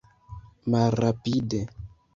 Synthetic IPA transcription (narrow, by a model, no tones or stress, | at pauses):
maɾapide